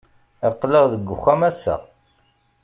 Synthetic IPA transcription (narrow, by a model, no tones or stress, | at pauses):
qːləʁðəɡʷːʊ̰xːæmæsæ̰